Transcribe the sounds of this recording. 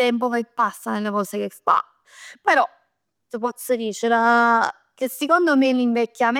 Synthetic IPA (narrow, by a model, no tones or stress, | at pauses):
ɛmp̬okepːasːanelːekɔːsekest̪a̰ | peɾɔ | t̪ipɔsːod̪iːt͡ʃeɾa | kesːekond̪omelːiɱvekːjam